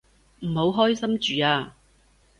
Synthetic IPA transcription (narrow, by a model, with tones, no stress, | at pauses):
m̩˨˩ho˨˧wɦɔː˥jsɐ˥mt͡ʃyː˨aː˧